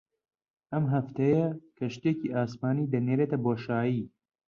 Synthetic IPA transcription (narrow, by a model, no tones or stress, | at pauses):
ɐmɦɐft̪ɐjɐkʰɐʃt̪eciʔaːsmaːniːd̪ɐneːɾeːt̪ɐboːʃaːjiː